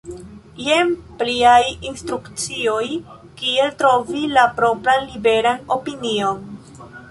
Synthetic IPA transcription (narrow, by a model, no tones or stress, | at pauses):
jempliajinstɾukt͡sio̞j | kie̞ltɾo̞vilapɾo̞pɾanlibe̞ɾano̞pinio̞n